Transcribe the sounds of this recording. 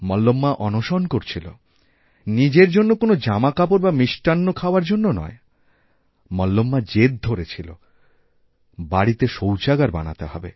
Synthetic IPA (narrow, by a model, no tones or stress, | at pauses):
mɔlːomːaʔɔnoʃonkoɾt͡ɕʰilo̰ | nid͡ʑeɾd͡ʑonːokonod͡ʑamakapoɾbamiʃʈanːokʰaoaɾd͡ʑonːonɔ̰e | mɔlːomːad͡ʑed̪̚d̪ʱoɾet͡ɕʰilo̰ | baɽit̪eʃowt͡ɕaɡaɾba̰na̰t̪eɦɔ̰be